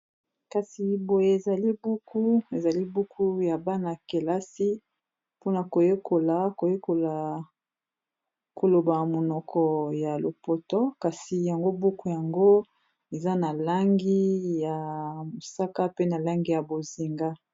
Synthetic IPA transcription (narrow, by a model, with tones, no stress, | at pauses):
ka˨si˨bo˨je˦e˨za˨li˦bu˦ku˦e˨za˨li˦bu˦kʰu˦ja˨ba˦na˨ke˨la˦si˦ | po˦na˨ko˨je˦ko˨la˨ko˨je˦ko˨la˨ | ko˨lo˨ba˨mo˨nɔ˨kʰɔ˨ja˨lo˨po˨tɔ˦ka˨si˨ja˨ŋɡo˦bu˦ku˦ja˨ŋɡo˦ | e˨za˦na˨la˦ŋɡi˦ja˨mo˨sa˦ka˦pe˦na˨la˦ŋɡi˦ja˨bo˨zi˨ŋɡa˦